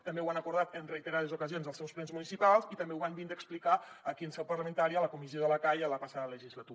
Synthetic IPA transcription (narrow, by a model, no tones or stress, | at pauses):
t̪əmbewanəkuɾðat̪ənrəit̪əɾað̞ezukəzionzðəlˠsɛwsplɛnzmunisipalˠzit̪əmbeuβambind̪əksplikaəkiənsɛwpəɾləmənt̪aɾiələkumizioðələkajələpəsaðələʒizlət̪u